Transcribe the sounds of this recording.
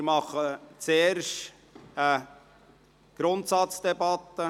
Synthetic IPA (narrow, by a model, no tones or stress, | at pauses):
ɪɾmɑχːət͡seːɾʃtː | ɡ̥ɾʊnt̪sɑtt͡sd̥̪ɛbɑt̪ːə